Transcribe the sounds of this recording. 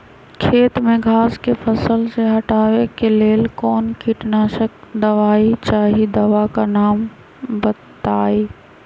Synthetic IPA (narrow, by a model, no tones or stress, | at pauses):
kʰeːt̪mẽɡʱaːskefʰɐsəlseɦɐʈaːʋekeleːlkɔːnkiʈnaːʃək̚d̪ɐʋaːit͡ʃaːɦid̪ɐʋakanaːm | bɐt̪aːiː